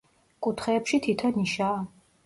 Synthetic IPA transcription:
kʼut̪ʰχɛːpʃit̪ʰit̪ʰɔniʃa

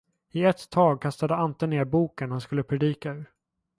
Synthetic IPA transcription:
ɪɛt̪ʰːɑːɡ̚kʰast̪ad̪əant̪əneːɾbuːkənhanskɵlːəpʰɾɛd̪iːkaʉ̟ːɾ

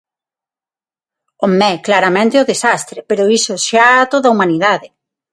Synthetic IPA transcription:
omːɛklaɾamẽnt̪eoðesast̪ɾepeɾoisoʃaat̪oðaumaniðaðɪ

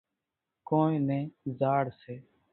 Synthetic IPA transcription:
kõːnẽːnẽːzaːɽseː

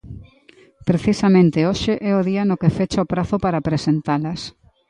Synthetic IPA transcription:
pɾeθisamẽnt̪ɪoʃeʔɛoðiɐnokefet͡ʃaopɾaθʊpaɾapɾesent̪alɐs

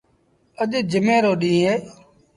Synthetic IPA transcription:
əʄd͡ʒəmẽːɾoːɗĩːɦeː

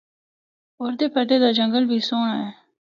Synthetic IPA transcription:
oːɾd̪eːpəɖ̪eːd̪aːd͡ʒəŋɡəlbʱiːsoːɳaːɛː

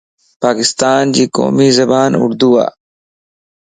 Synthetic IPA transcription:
paːkɪst̪aːnd͡ʒiːko̰ːmiːzɐbaːnʊ̰ɽd̪uːa̰ː

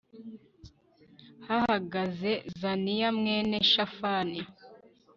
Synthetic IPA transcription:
hahaɡaze̞zanijamŋe̞neʃafani

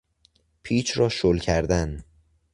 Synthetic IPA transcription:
pʰiːt͡ʃʰɾɒːʃolcʰæɾd̪æn

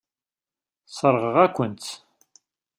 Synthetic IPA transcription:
səɾˤʁəʁækʷːənt̪

